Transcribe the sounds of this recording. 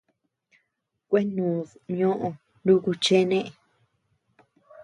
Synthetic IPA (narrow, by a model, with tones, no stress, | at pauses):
kʷe˦nũː˨sɲõ˦ʔõ˧ | lu˦ku˧t͡ʃe˦nẽ˦ʔe˨